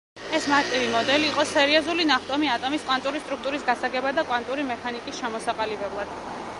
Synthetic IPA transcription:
ɛsmaɾt̪ʼivimɔd̪ɛliːqʼɔsɛɾiɔzulinaχt̪ʼɔmiat̪ʼɔmiskʼwant̪ʼuɾist̪ʼɾuk̚ʰt̪ʼuɾisɡasaɡɛbad̪akʼwant̪ʼuɾimɛkʰanikʼisʃɛmɔsaqʼalibɛblˠad̪̥

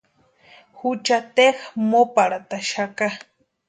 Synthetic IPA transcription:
hut͡ʃat̪exmopaɽat̪aʃaka

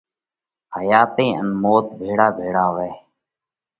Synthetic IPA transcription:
həjaːt̪ẽːʔə̰nmoːt̪̚bʱeːɽaːbʱeːɽaːʋɛː

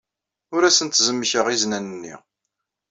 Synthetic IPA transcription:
ʊɾæsənt̪zəmːçəʁiznænənːḭ

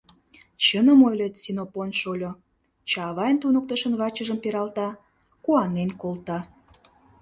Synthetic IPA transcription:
t͡ɕənəmojlʲet̪sʲinoponʃolʲo | t͡ɕɑːβɑjənt̪unək̚t̪əʃənβɑt͡ɕəʒəmpeɾɑlt̪ɑ | kuɑnːenkolt̪ɑ

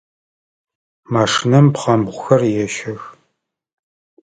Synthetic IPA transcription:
maːʂɨnɐmpχɐmbʁʷʊxɐrjɛʃɐx

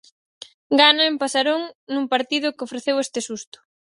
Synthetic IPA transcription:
ɡanaempasaɾoŋnuŋpaɾt̪iðʊkɪofɾeθewest̪ɪsust̪ʊ̥

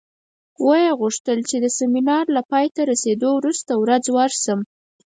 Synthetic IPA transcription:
wajeɣuʂt̪əlt͡ʃed̪əseminɑɾlapɑjt̪aɾased̪owɾust̪awɾad͡zwaɾsəm

